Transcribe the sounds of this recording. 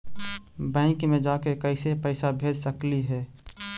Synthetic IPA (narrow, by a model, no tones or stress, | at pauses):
bɛ̃ːŋkmẽd͡ʒaːkekəɪsepəɪsabʱeːd͡ʒsəkliɦɛː